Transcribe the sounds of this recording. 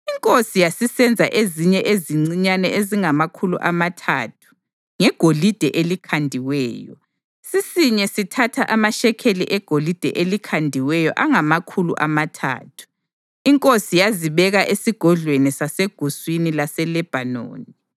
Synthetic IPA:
iŋkʼosijasisɛnd͡zʱaʔeziɲɛʔeziŋ͡ǀiɲanɛʔeziŋamakʰulṵʔamatʰaːtʰu̥ | ŋɛɡ̥ʱolid̥ʱɛʔelikʰandʱiwɛːjɔ | sisiɲɛsitʰatʰaʔamaʃɛkʰelḭʔɛɡ̥ʱolid̥ʱɛʔelikʰandʱiwɛjɔʔaŋamakʰulṵʔamatʰa̰ːtʰu̥ | iŋkʼosijaziβɛɣaʔesiɡ̥ʱɔɮwenisaseɡ̥ʱuswinilasɛlɛb̥ʱano̰ːni

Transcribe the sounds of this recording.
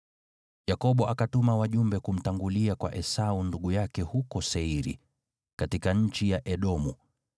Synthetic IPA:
jakɔɓɔʔakatumawaʄumbɛkum̩taŋɡuliakwa̰ʔɛsaunduɠujakɛhukɔsɛiɾḭ | katikaɲ̩t͡ʃijaʔɛɗɔmu

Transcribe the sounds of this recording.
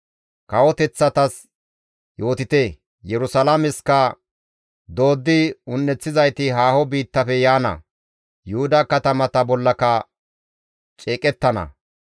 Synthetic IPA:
kɐwɔt̪ɛt͡sːɐt̪ɐs | jo̞ːt̪ɪt̪eː | jɛɾʊsɐlamɪskɐ | d̪o̞ːd̪ːɪʊnːɛt͡sːɪzɐjt̪ɪɦaːhɔbiːt̪ːɐfɛjaːnɐ̰ | jʊhʊd̪ɐkɐt̪ɐmɐt̪ɐbɔlːɐkɐ | t͡ʃʼeːkʼɛt̪ːɐnɐ̰

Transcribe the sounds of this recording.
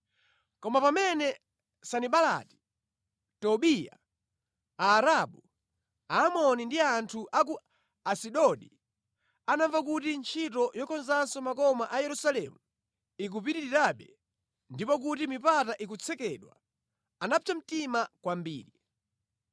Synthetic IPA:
kɔmapamɛnɛ | saniɓala̰ti̥ | tɔɓija̰ | aːɾaɓu | aːmɔnindiantʰuʔak̬u | asiɗɔɗḭ | anaɱvakutint͡ʃʰitɔjɔkʰɔnzansɔmakɔmaʔajɛɾusalɛmu | ik̬up̬itiɾiɾaɓɛ | ndipɔkutimipataʔik̬ut͡sʰɛkɛɗwa | anat͡ʃam̩timakwambḭːɾi

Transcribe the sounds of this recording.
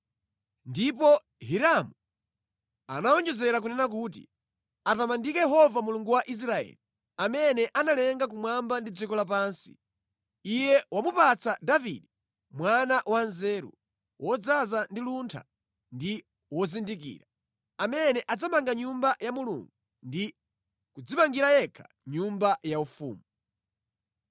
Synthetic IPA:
ndipɔ | ɦiɾamu | a̰naɔnd͡ʒɛzɛɾak̬unɛnak̬uːt̬ḭ | atamandikɛjɛɦɔvamuluŋɡuwaʔis̬ɾaɛ̰ːli | amɛnɛʔanalɛŋɡak̬umwambandid͡zikɔlap̬aːnsi̥ | ijɛwamupat͡sadavḭdi | mwanaʔwanzɛːɾṵ | wʔɔd͡zazandiluntʰa̰ | ndi | wɔzindik̬ḭːɾa | amɛnɛʔad͡zamaŋɡaɲumbajamulṵŋɡu | ndi | kud͡zimaŋɡiɾajɛkʰḁ | ɲumbajaufṵːmu

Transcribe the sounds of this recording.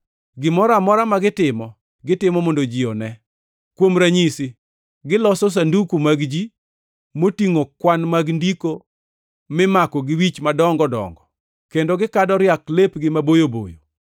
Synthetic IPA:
ɡɪmɔɾamɔɾamaɡɪtɪmɔ | ɡɪtɪmɔmondod͡ʒiɔnɛ | kwomɾaɲisi | ɡɪlɔsɔs̬andukumaɡd͡ʒi | motiŋokwanmaɡndiko | mɪmakɔɡɪwit͡ʃmadɔŋɡɔdɔ̰ŋɡɔ | kendoɡɪkadɔɾjaklepɡɪmabojobo̰jo̰

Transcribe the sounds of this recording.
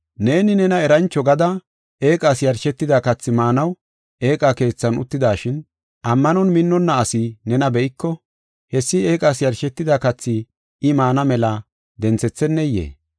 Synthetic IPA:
ne̞ːnɪnɛnɐɛɾɐnt͡ʃːɔɡɐd̪ɐ | e̞ːkʼaːsjɐɾʃɛt̪ːɪd̪akɐt͡sːɪmaːnɐw | e̞ːkʼake̞ːt͡sːɐnʊ̰t̪ːɪd̪aːʃɪn | ʔɐmːɐnɔnmɪnːɔnːɐːsɪnɛnɐbɛʔɪkːɔ | hɛsːɪeːkʼasjɐɾʃɛt̪ːɪd̪akɐt͡sːɪ | ɪmaːnɐmɛlɐ | d̪ɛnt͡sɛt͡sːɛnːɛjḛː

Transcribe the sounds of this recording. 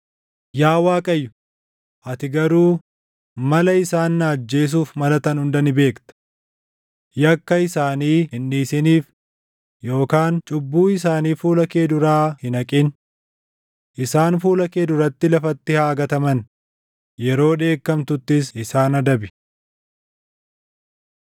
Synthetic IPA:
jaːwaːkʼɐjːʊ̥ | ʔɐt̪ɪɡɐɾuː | mɐlɐɪsaːnːaːd͡ʒːe̞ːs̬uːfmɐlɐt̪ɐnhʊnd̪ɐnɪbe̞ːkt̪ɐ̥ | jɐkːɐɪsaːniːhɪnːiːsɪniːf | jo̞ːkaːnt͡ʃʼʊbːuːɪs̬aːniːfuːlɐke̞ːd̪ʊɾaːhɪnɐkʼɪn | ʔɪsaːnfuːlɐke̞ːd̪ʊɾɐt̪ːɪlɐfɐt̪ːɪhaːɡɐt̪ɐmɐn | jɛɾo̞ːᶑ̪e̞ːkːɐmt̪ʊt̪ːɪsɪsaːnɐd̪ɐbɪ̥

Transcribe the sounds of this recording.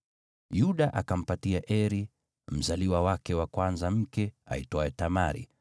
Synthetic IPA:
juɗaʔakam̩patiaʔɛɾi | m̩zaliwawakɛwakwanzam̩kɛa̰itɔɛtamaɾḭ

